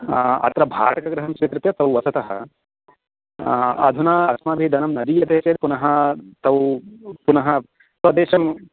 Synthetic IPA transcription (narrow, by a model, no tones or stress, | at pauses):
ɐ̰t̪ɾɐbʱa̰ːʈɐkɐɡɾɐɦɐmsʋikɾɪt̪jɐt̪ɐwʋɐsɐt̪ɐɦɐ̰ | ɐ̰d̪ʱunaːɐsmaːbʱid̪ʱɐnɐmnɐd̪iːjɐt̪eːt͡ʃeːlpunɐɦɐt̪ɐwpunɐɦɐ | t̪ɐd̪eːʃɐm